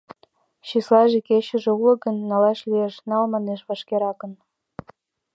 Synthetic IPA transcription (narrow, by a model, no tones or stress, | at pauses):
ɕislɑʒekeɕə̆ʒĕuləɡənːɑlɑʃlieʃnɑlmɑneʃβɑʃkeɾɑkən